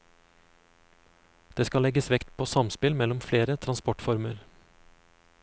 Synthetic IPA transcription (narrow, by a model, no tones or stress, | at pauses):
d̪̥eːskɑlɛɡəsʋɛkt̪pʰoːsɑmspɪlmɛlɔmfleːɾət̪ʰɾɑnspɔʈfɔɾməɾ